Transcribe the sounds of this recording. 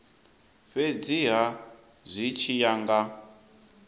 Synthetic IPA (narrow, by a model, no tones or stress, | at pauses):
ɸed͡ziɦa | zʷit͡ʃʰijaŋɡa